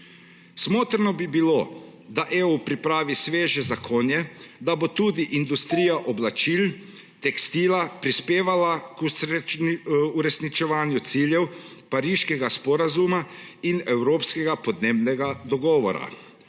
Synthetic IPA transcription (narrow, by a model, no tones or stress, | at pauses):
smoːt̪ɾnɔbibilo | d̪aʔeːupɾipɾaːʋisʋeːʒɛzakʰoːnjɛd̪abot̪uːd̪iʔind̪ust̪ɾiːjaʔɔblat͡ʃiːl | t̪ɛkst̪iːlapɾispeːʋalak | uɾɛsnit͡ʃɛʋaːnjut̪siːljɛwpaɾiːʃkɛɡaspɔɾazumainɛwɾoːpskɛɡapɔd̪neːbnɛɡad̪ɔɡɔːʋɔ̰ɾa̰